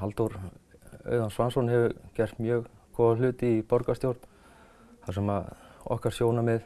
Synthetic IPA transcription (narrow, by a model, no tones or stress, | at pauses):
alt̪uɾ̥ | œ̰ːɥðansvansɔnɦɛvʏcɛr̥t̪mjœːɣkʰɔːvalʏːt̪ɪipɔɾkast̪jowɾ̥t̪n | θasɛmaðɔ̰hkaɾ̥sjoːwnamɪð